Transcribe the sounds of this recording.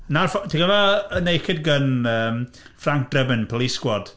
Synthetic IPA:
narfɔtʰiɡəvaənejxɪdɡənəːm | fraŋk̚d̥rəbɪnpʰɔlˠiskwɔd̥

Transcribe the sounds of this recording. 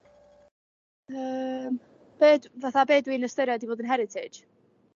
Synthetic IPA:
əm | b̥eːdvaθabeːdwiːnəstəɾadivoːdənɦɛɾɪtʰɪ̥

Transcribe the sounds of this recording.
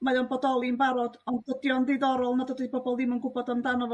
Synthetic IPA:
majɔnpɔt̪ɔlˠimbaɾɔt̪ɔntət̪jɔnd̪iðɔɾɔlˠnɔt̪ɔt̪ipɔpɔlˠd̪imɔŋkupɔt̪ɔmd̪anɔv

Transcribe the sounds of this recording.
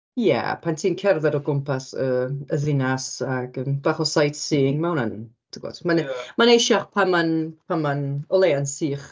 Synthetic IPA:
jɛ̰pʰantʰiːnkʰɛrðɛɾɔɡʊmpʰasəəðɪnasaɡəmb̥aχɔsajtsiːŋmawnan | d̥iɡɔ̰d̥manmanejʃaχpʰanmanpʰanmanɔlˠejansiːχ

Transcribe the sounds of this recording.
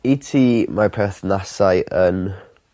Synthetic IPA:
itʰiːmarpʰɛθnasajʔən

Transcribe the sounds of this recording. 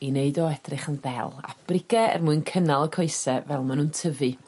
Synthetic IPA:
ineɨdɔɛdrɪχənðɛ̰lˠa̰b̥rɪɡɛɛ̰rmuɨnkʰənalˠəkʰɔɨsɛvɛlˠmanuːntʰəvɨ

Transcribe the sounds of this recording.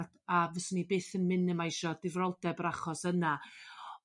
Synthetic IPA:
d̥avɛsnibeːθənmɪnəmajʃɔdɪvrɔlˠdɛbəɾaχɔsəna

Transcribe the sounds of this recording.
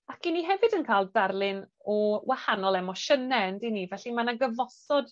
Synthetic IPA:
akʰiniɦɛvɨdənkʰaːlˠdarlˠɪnɔwahanɔlˠɛmɔʃənɛəndinivɛɬimanaɡəvɔsɔd̥

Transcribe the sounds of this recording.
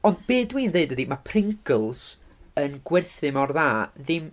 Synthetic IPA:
ɔnd̚beːdwiːndeɨdədimapʰrɪŋkʰəlˠsənɡwɛrθɨmɔrðaːðɪm

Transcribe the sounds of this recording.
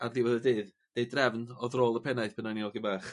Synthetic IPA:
arðɪwəðədɨːð | d̥ejdrɛvnɔðroːlˠəpʰɛnajθpʰənaniɔɡibaːχ

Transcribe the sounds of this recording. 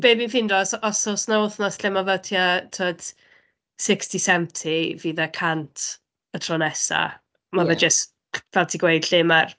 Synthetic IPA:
b̥eːbinfɪndɔsɔsʊsnaʊθnɔsɬɛmavɛtʰiatʰoːd̥ | sɪkstisɛmtʰiviːðəkʰantʰ | ətʰrɔnɛsa̰ | mavɛd͡ʒəs | vɛlˠtʰiɡwejd̥ɬɪmar

